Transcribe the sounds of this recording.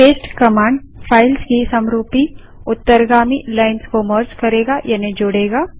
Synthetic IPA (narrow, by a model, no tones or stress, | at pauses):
eːsʈkɐmãːɳɖpʰaːɪlskisɐmɾuːpi | ʊt̪ːəɾɡaːmilaːɪnskoməɾt͡ʃkɐɾeːɡajɐned͡ʒʊɽeːɡaː